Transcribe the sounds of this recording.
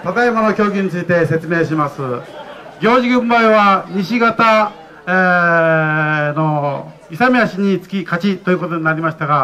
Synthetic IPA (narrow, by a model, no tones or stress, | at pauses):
t̪at̪aemonokʲo̞ːɡʲiɲ̟it͡sɨit̪e̞se̞t͡sɨme̞ːɕimasɨ | ɡʲo̞ːʑiɡɯ̃mbaiβaɲ̟iɕiɡat̪a | e | no̞ | isamʲiaɕiɲ̟it͡sɨ̥kʲikat͡ɕit̪o̞jɯ̟ːko̞t̪o̞ɲ̟inaɾʲimaɕi̥t̪aɡa